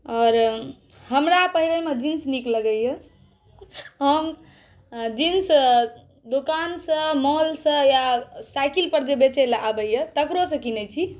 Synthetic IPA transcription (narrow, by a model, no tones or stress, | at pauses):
ɔːɾ | ɦəmɾapəɦilemed͡ʒinsnikləɡəjje | ɦəm | d͡ʒins | d̪ukansə̃mɔlsə̃jasajkilpəɾd͡ʒebet͡ʃelabəjjət̪əkɾosə̃kinət͡ʃʰi